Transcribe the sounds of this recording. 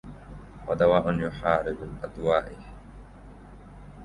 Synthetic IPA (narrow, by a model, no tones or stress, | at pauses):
xad̪awaːʔʊnjʊħaːɾɪbɪlʔad̪waːʔɪ